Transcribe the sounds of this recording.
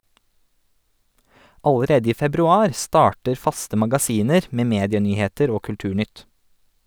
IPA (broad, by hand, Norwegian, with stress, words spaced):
ɑləˈɾeːdə ˈiː fɛbɾʉˈɑːɾ ˈstɑːʈəɾ ˈfɑstə mɑɡɑˈsiːnəɾ ˈmeː ˈmeːdɪəˌnyːheːtəɾ ˈoː kʉlˈtʉːˌɳʏt